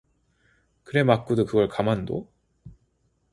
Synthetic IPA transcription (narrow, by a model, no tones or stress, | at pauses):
kɯɾe̞mak͈udɯkɯɡʌɭkamando̰